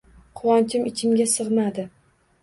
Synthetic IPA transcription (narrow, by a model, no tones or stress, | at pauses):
qʰʊwɒnt͡ʃʰɪmɪt͡ʃʰɪmɡʲasɨʁmad̪ɪ